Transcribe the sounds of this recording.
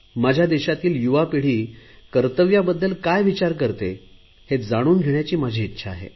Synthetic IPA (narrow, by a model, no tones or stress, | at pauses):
mad͡ʑʱjad̪eɕat̪iːljuʋapiɽ̤iːkəɾt̪əʋjabəd̪ːəlkajʋit͡ɕaɾkəɾt̪e | hed͡zaɽ̃uːnɡʱeɽjat͡ɕiːmad͡ʑʱiːtːɕʰaːɦḛ